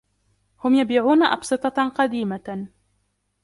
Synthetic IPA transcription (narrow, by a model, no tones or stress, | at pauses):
hʊmjabiːʕuːnaʔɑ̰bsˤɨt̪ˤɑqɑd̪iːma